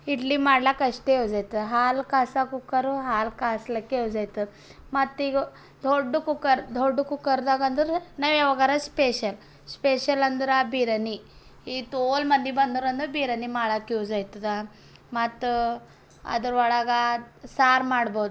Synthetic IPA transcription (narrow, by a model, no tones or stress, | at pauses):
iʈlimaɽlakəʂʈewd͡zajt̪əɦalkasakukəɾuɦalkasləkewd͡zajt̪ə | mat̪ːiɡ | d̪ʱoɖːukukəɾd̪ʱoɖukukəɾd̪aɡand̪əɾnaʋjaʋaɡaɾaspeɕəl | speɕələnd̪əɾabiɾəni | it̪olmənd̪ʱibɐnd̪uɾənd̪uɾbiɾənimaɭakewd͡zajt̪ət̪a | mat̪ | a̰d̪əɾʋaɭaɡasaɾmaɽbod̪u